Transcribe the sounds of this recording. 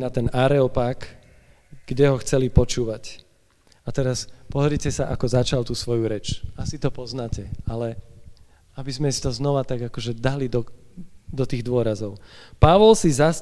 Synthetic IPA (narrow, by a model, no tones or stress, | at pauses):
nat̪ɛnaɾɛɔpaːk | ɡ̥ɟɛɦɔxt͡sɛlipɔt͡ʃuːʋac | at̪ɛɾaspɔɾicɛsaʔakɔzat͡ʃalt̪uːsʋɔjuɾɛt͡ʃasit̪ɔpɔznaːcɛalɛ | abizmɛsi̥t̪ɔznɔʋat̪aɡakɔʒɛd̪alid̪ɔd̪ɔt̪iːɣd̪ʊɔɾazɔʊpaʋɔlsizas